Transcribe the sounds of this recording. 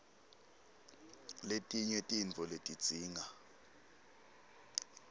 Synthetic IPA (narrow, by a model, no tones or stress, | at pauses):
letʼiɲɛtʼint͡fɔletʼid̥d͡z̥ʱiːŋa